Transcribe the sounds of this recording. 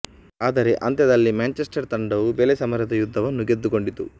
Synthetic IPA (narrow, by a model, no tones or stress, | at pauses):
aːd̪ɐɾeʔɐnt̪jɐd̪ɐlːimaːnt͡ʃesʈɐɾt̪ɐɳɖɐʋubelesɐmɐɾjɐt̪ɐjud̪ʱːɐʋɐnːuɡed̪ːuko̞ɳɖit̪ṵ